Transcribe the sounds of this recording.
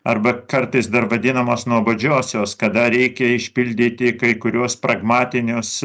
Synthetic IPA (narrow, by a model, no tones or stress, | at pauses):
ɐɾbɐkɐɾt̪ɐɪsd̪ɐɾʋɐd̪ʲɪnɐmoːsnuɔbɐd͡ʒʲoːsʲoːskɐd̪ɐɾʲɛɪkʲɛɪʃʲpʲɪlʲd̪ʲiːt̪ʲɪkɐɪkʊɾʲuɔspɾɐɡmɑːt̪ʲɪnʲʊs